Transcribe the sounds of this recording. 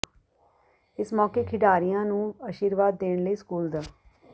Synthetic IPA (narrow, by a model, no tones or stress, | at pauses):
ɪsmɔːkeːkʰɪɖaːɾijãːnũːəʃiːɾʋaːd̪ːeːɳləiːskuːld̪aː